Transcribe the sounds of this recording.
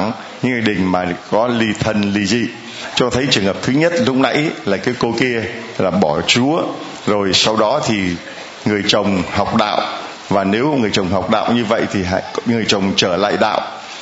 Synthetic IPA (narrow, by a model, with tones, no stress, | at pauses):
ŋ | ɲɨ̰˧˥ŋi˨˧˩ɗï˨˩ŋ̟maː˨˩kɔ˨˦li˧t̪ʰə˧nli˧zḭ˧˨ | t͡ɕɔ˧t̪ʰə˨˦jt͡ɕɨ˨˩əŋɦəː˨˩p̚t̪ʰɨ˨˦ɲə˦˥t̚lʊ˦˥k͡p̚na˨˦jlaː˨˩kaː˨˦jko˧ki˧ə | laː˨˩ɓɔ˧˩t͡ɕu˨˦ə | zo˨˩jsa˧wɗɔ˨˦t̪ʰi˨˩ | ŋɨ˨˩əjt͡ɕə˨˩wŋ͡mha˨˩wk͡p̚ɗa̰ː˧˨wʔ | vaː˨˩ne˨˦wŋɨ˨˩əjt͡ɕə˨˩wŋ͡mɦa˨˩wk͡p̚ɗa̰ː˧˨wɲɨ˧və̰˧˨jt̪ʰi˨˩ɦa̰˧˨ŋ˨˩əjt͡ɕə˨˩wŋ͡mt͡ɕəː˧˩la̰ː˧˨jɗa̰ː˧˨wʔ